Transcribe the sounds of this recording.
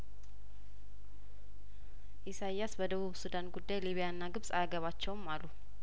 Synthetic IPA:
ʔisajːasbəd̪əβuβsud̪anɡud̪ːajliβijaɨnːaɡɨβsʼaɡəβat͡ʃːɛwmːalːu

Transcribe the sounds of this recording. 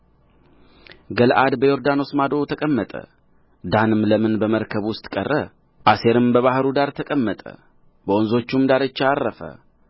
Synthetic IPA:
ɡəlʔad̪bəjo̞ɾd̪ano̞smad̪o̞t̪ʰəkʼəmːət̪ʼə̰ | d̪anɨmləmɨnbəməɾkʰəβwʊst̪ʼkʼərːə | ʔase̞ɾɨmbəβahɾud̪aɾt̪ʰəkʼəmːət̪ʼə̰ | bəonzo̞t͡ʃːumd̪aɾət͡ʃːaːrːəfə̰

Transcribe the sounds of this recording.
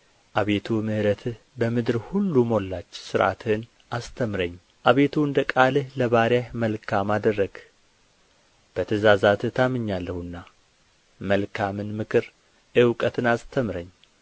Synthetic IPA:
ʔaβe̞t̪ʰumɨhɾət̪ʰɨh | bəmɨd̪ɨɾhulːumo̞lːat͡ʃːsɨɾʔa̰t̪ʰɨn | ʔast̪ʰəmɾəɲː | ʔaβe̞t̪ʰuɨnd̪əkʼalɨhləβaɾjahməlkʰamad̪ərːəɡ̥ | b̥ət̪ʰəzazat̪ɨt̪ʰamɨɲːalːəhɨnːa | məlkʰamɨnmɨkʰɨɾ | ʔɨwkʼət̪ʰɨnast̪ʰəmɾəɲː

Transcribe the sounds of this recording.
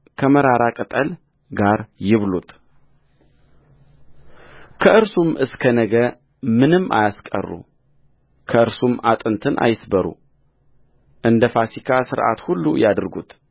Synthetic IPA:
kʰəməɾaɾakʼɨt̪ʼəl | ɡaɾjɪβlut̪ | kʰəʔɨɾsumʔɨskʰənəɡəɾ | mɨnɨmːa̰jaskʼə̰rːṵ | kʰəɨɾsumat̪ʼɨnt̪ʰɨnʔa̰jɪsbəɾṵ | ʔɨnd̪əfasikʰasɨɾʔa̰t̪hulːṵjad̪ɨɾɡut̪

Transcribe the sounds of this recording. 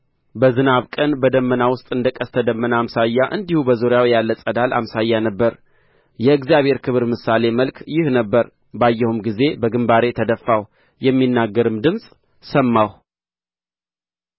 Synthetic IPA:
bəzɨnaβkʼənbəd̪əmːənawʊst̪ʼɨnd̪əkʼəst̪ʰəd̪əmːənəamsajːaʔɨnd̪ihubəzoɾjawjalːəsʼəd̪alʔa̰msajːanəbːəɾ | jɛɨɡzjaβhe̞ɾkʰɨβɨɾmɨsale̞məlkjɪhnəbːəɾ | bajːɛhumɡize̞bəɡɨmbaɾe̞t̪ʰəd̪əfːaw | jɛmːinːaɡːəɾɨmd̪ɨmsʼ | səmːaw

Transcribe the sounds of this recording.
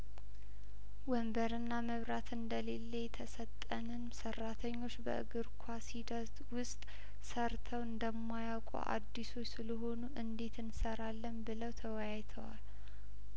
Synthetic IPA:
wəmbəɾɨnːaməβɾat̪ɨnd̪əle̞lːejt̪ʰəsət̪ʼːənɨnsərːat̪ʰəɲːo̞t͡ʃːbə̰ʔɨ̰ɡɨɾkʷʰwasid̪ət̪wʊst̪ʼ | səɾt̪ʰəwɨnd̪əmːajawkʼṵʔa̰d̪ːiso̞t͡ʃːsɨləɦo̞nuʔɨnd̪e̞t̪ɨnsəɾalːəmbɨləwt̪ʰəwəjajt̪ʰəwa̰l

